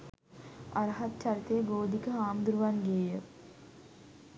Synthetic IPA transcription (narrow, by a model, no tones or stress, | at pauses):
a̰ɾɐɦɐt̪t͡ʃaɾit̪ejəɡoːd̪ʱikəɦaːmd̪uɾuʋanɡejə